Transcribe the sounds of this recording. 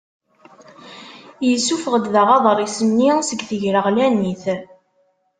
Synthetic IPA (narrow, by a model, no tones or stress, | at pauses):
jəsːufəʁəd̪ðəʁɑðˤɾˤisənːisəɡθəʝɾəʁlæniθ